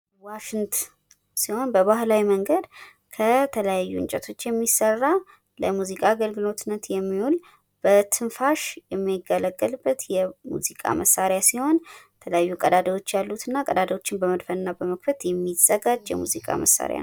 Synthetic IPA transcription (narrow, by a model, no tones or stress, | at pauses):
waʃɪnt̪ | siho̞nbəβahlawiməŋɡəd̪ | kʰət̪ʰələjajːuɨ̰nt͡ʃʼɛt̪ʰo̞t͡ʃːjɛmːisərːa | ləmuzikʼaːɡəlɡɨlo̞t̪nːət̪jɛmːihul | b̥ət̪ʰɨnfaʃjɛmːajɡːələɡːəlbːət̪jɛmṵzikʼa̰mʔəsːaɾjasiho̞nt̪ʰələjajːukʼəd̪ad̪əwo̞t͡ʃːjalːut̪ʰɨnːakʼəd̪ad̪əwo̞t͡ʃːɪnbəməd̪fənːabəməkfət̪jɛmːiz̥əɡad͡ʒjɛ̰muzikʼa̰məsa̰ɾj̰a̰